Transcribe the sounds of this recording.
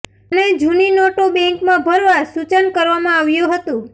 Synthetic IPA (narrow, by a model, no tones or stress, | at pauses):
əned͡ʒʱuninoʈobɛ̃ŋkmãbʱəɾʋasut͡ʃənkəɾʋamãaʋjũɦət̪ũ